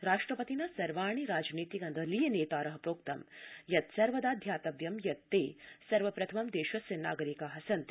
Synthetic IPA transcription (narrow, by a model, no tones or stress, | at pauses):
ɾaːʂʈɾɐpɐt̪inɐsɐɾʋaːɳ̃iɾaːd͡ʒniːt̪ikɐnd̪ʱɐlijɐneːt̪aːɾɐɦɐpɾoːkt̪ɐ̰mjɐt̪sɐɾʋɐd̪aːd̪ʱjaːt̪ɐʋjɐmjɐt̪ːeːsɐɾʋɐpɾɐt̪ʰɐmɐmd̪eːʃʋɐsɐnːa̰ːɡɐɾikaːɦɐsɐnt̪